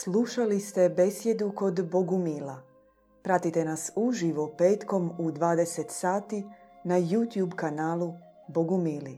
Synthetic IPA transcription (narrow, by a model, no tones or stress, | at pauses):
slˠuʃalist̪e̞be̞sje̞d̪uko̞d̪bo̞ɡumila | pɾat̪it̪e̞nasuʒiʋo̞pe̞ːt̪ko̞mud̪ʋaːd̪e̞set̪saːt̪inajut̪jubkanaːlˠu | boɡumiːli